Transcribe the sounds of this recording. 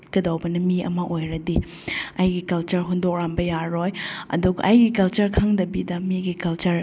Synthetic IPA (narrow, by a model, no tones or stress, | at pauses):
ɡɐdawbɐnɐmiɐ̰mɐʔojɾɐdi | ajɡikɐlt͡ʃɐɾɦundok̚ɾambɐjaɾojɐ̰duɡɐʔajɡikɐlt͡ʃɐɾkʰaŋdɐbidɐmiɡikɐlt͡ʃɐɾ